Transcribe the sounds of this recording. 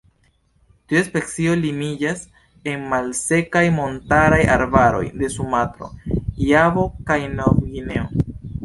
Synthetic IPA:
tiaspe̞k̚t͡sio̞limid͡ʒas | e̞nmalse̞kajmo̞ntaɾaja̰ɾbaɾo̞̰jde̞sumatɾo̞̰javo̞kajnovɡine̞o

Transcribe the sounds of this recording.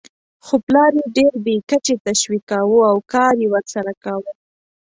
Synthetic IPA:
xoplɑɾeɖeɾbekət͡ʃet̪aʃwikawuawkɑɾjewəɾsaɾakawə

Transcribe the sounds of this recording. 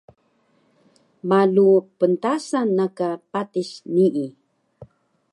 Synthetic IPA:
malupəntasanːakapatiɕniʔi

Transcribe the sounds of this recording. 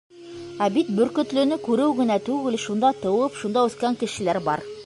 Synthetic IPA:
æbit̪̚bɵ̆ɾkɵ̆t̪lɵ̆nɵkʉɾɘwɡɘ̆næt̪ʉɡɘlʃund̪ɑt̪ɤ̆wɤpʃund̪ɑʉθkæŋkɘ̆ʃɘ̆læɾbɑɾ

